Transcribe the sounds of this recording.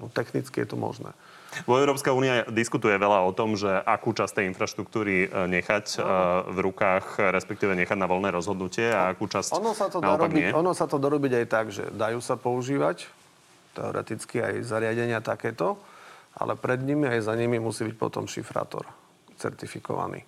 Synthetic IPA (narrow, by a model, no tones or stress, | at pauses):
nɔt̪ɛxnit͡skijɛt̪umɔ̰ʒnɛ̰ː | ʋɔɛʊɾɔːpskauːniad̪iskut̪ujɛʋɛʎaɔt̪ɔmʒɛʔakuːt͡ʃast̪ɛjinfɾaʃt̪ɾuk̚t̪uːɾiɲɛxacvɾukaːxɾɛspɛkt̪iːʋɛɲɛxaɟnaʋɔlnɛːɾɔzɦɔd̪nucɪɛaakuːt͡ʃasɔnɔsat̪ɔd̪aɔaɾaɡnbiɛɔnɔsat̪ɔd̪aɾɔbiɟajt̪aɡʒɛ̰d̪ajuːsapɔuʒiːʋac | t̪ɛɔ̰ɾɛ̰t̪it͡skia̰jzaɾɪaɟɛɲɪat̪akɛːt̪ɔʔa̰lʔɛpɾɛd̪ɲimiajzaɲimimusiːbic̚pɔ̰t̪ɔ̰mʃḭfɾa̰ːt̪ɔ̰ɾ | t͡sɛ̰ɾt̪ifikɔ̰ʋa̰nḭː